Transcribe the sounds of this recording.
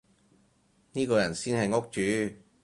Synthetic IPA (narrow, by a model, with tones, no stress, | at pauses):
niː˥kɔː˧jɐ˨˩nsiː˥nhɐ˨jŋo˥k̚t͡ʃyː˨˧˥